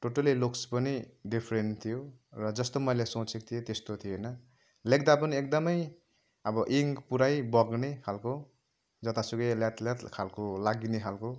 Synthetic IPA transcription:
ʈoʈʌlilokspʌniɖipʰɾent̪ʰijorʌd͡zʌst̪omʌjlesõt͡sʰek̚t̪ʰijet̪est̪ot̪ʰijenʌ | lek̚d̪apʌniek̚d̪ʌmʌj | ʌbʌʔiŋpuɾajbʌɡnekʰalko | d͡zʌt̪asuɡʌljat̪ljat̪kʰalkolaɡineɦʰalko

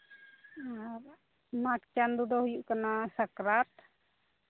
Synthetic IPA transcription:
aɾ | makt͡ʃand̪ud̪ɔhujuʔkanasakɾat̪

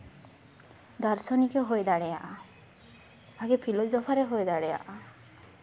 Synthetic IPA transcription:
d̪ɔɾsɔnikeɦojd̪aɽɛja̰ʔ | baɡepʰilɔzɔpʰaɾeɦojd̪aɽeja̰ʔ

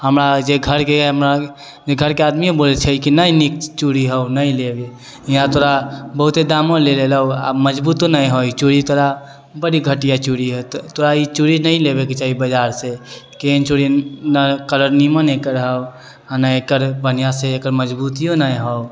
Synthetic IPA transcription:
həmɾad͡ʒeɡʱəɾkeɦəmɾa | d͡ʒeɡʱəɾkead̪miõbolet͡ʃʰəikinainikt͡ʃuɽiɦəwnəilebe | inãt̪oɾabəɦut̪ed̪amoleleləwa̰məd͡ʒbut̪onajɦɔit͡ʃuɽit̪oɾa | bəɽiɡʱəʈijat͡ʃuɽiɦət̪t̪oɾait͡ʃuɽinəjlebeket͡ʃaɦibəd͡ʒaɾsekent͡ʃuɽinakəɾəɾnimənekəɾɦəw | anaekəɾbənijaseekəɾməd͡ʒbut̪ijonajɦəw

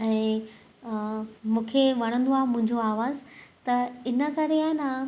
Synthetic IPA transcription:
ɛ̃ː | mũːkʰeʋɐɽ̃ə̃nd̪oaːɦmʊ̃ɦɪ̃ɲd͡ʑoaːʋaːzt̪ɐɪnə̆kɐɾeaːɪna

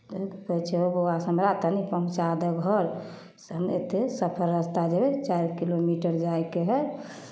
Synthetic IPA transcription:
t̪okəit͡ʃʰeoboasəmɾat̪ənipəɦũt͡ʃad̪əɡʱəɾ | ɦəmḛt̪esəpʰəɾəst̪ad͡ʒebɛt͡ʃajɾkilomiʈəɾd͡ʒaekeɦɛ

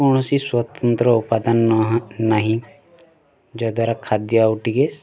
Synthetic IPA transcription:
uɳ̃ɔsiswɔt̪ənt̪ɾɔupad̪anɦnaɦĩ | d͡ʒɔd̪waɾakʰad̪jawʈiɡes

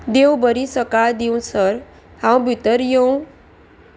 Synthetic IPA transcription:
d̪ewbʌɾisʌkad̪iw̃sʌɾ | hãw̃bʱit̪əɾjow̃

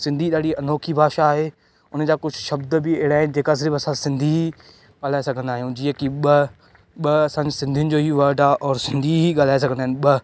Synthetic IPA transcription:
sɪ̃nd̪ʱiɗaːɽiɐnoːkʰibʱaːʃaːɦeː | ʊnə̆d͡ʑaːkʊd͡ʑʱʊʃɐbd̪bɪeɦɪɽaːɦɪnɪd͡ʑeːkazɾiːbɐsãsɪ̃nd̪ʱiɦi | ɠaːl̤aːesɐɡʱə̃nd̪aːɦijũd͡ʑiːə̃kiɓɐ | ɓɐɐsãɲd͡ʑɪsɪ̃nd̪ʱijʊnɪ̆d͡ʑoːɦiʋɐɾɖaʔɔːɾsɪ̃nd̪ʱiɦiɠaːl̤aːes̬ɐɡʱə̃nd̪aɦɪnɪɓɐ

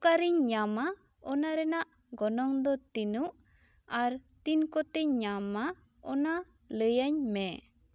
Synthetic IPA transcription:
kaɾiɲɲama | ɔnaɾɛnaʔ | ɡɔnɔŋd̪ɔt̪inuʔ | aɾt̪inkɔt̪ɛɲama | ɔna | ləjaɲmɛ

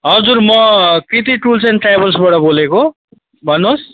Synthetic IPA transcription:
ɦʌd͡zurmʌkɾit̪iʈult͡sʌnʈrajbʌlsbaʈʌboleko | bʱʌnːos

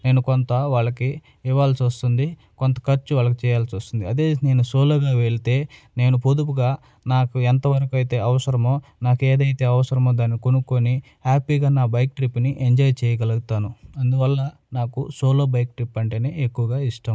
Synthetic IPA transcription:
ne̞ːnukont̪ɐʋaːɭːɐkiː | ʋːaːlsiʋɐst̪und̪i | kont̪ɐ̥kɐɾt͡ʃːuʋaːɭːɐk̬it͡ʃɛːjaːlsiʋɐst̪und̪iɐd̪e̞ːne̞ːnusoːloːɡaːʋeɭit̪e̞ːne̞ːnupud̪upuɡaː | naːkuɛnt̪ɐʋɐɾɐkuɐjt̪e̞ːɐʋɐsɐɾɐmo̞ːnaːkeːd̪ɐjt̪e̞ːɐʋɐsɐɾɐmoːd̪aːnːikonukoni | aːpiːɡaːnaːbɐjk̚ʈɾipːniʔeɲd͡ʒɔːjt͡ʃɛːjɐɡɐluɡut̪aːnuɐnd̪uʋɐlːɐ | naːkusoːloːbɐjkʈɾipːɐɳʈeːneːekːuʋɐɡaːiʂʈɐm

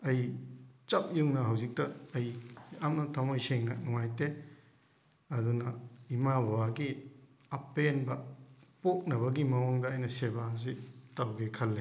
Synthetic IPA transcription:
ɐjt͡ʃɐp̚juŋnɐɦawzik̚tɐːjamnɐtʰamojseŋnɐnuŋajte | ɐdunɐimabʱawaɡi | ɐpːenbɐpok̚nɐβɐɡimɐwoŋdɐːjnɐsebazitawɡekʰɐlːe

